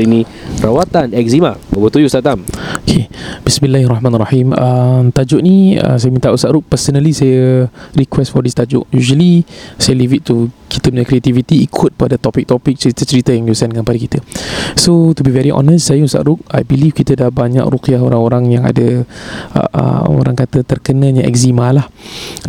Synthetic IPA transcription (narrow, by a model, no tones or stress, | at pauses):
ini | rawat̪anɛk̚zimabəbət̪ujust̪at̪amokʰeb̥ismĩlːahrahmãnaraħiməmt̪ad͡ʒʊʔniə̰sajəmint̪aʔusaʔɾuk̚pəsənəlisajəɾikwɛstfɔdist̪ad͡ʒʊ̰ʔjuʒəlisajəlivit̪̚t̪ːuki̥t̪əpəɲakɾiat̪ivit̪iːkʰʊt̪̚padat̪ɔpɪk̚t̪ɔpɪk̚t͡ʃəɾit̪ət͡ʃəɾit̪əjaŋjusɛnkanpadikit̪əsot̪ubivɛɾiʔɔ̰nəstːsajəusa̰ʔɾʊk̚a̰jbilifkit̪ədahbaɲa̰kɾukiaɦoɾaŋoɾaŋjaŋa̰də | ə̰ə̰o̰ɾaŋkat̪ət̪ərkənə̃ɲaʔɛ̰kzimalah